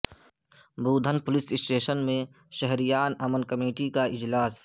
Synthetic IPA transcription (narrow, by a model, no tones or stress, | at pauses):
buːd̪ʱənpʊlɪsɪsʈeːʃənmẽʃəɦɾijaːnɐmənkɐmeːʈikaɪd͡ʒlaːs